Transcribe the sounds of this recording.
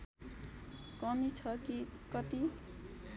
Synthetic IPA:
kʌmit͡sʰʌkikʌt̪i

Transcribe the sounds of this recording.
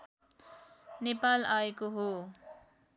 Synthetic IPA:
nepalaekoɦo

